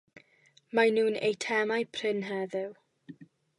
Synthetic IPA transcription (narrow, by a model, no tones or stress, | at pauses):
manuːnḛjtʰɛmajpʰr̥ɪnɦɛðɪw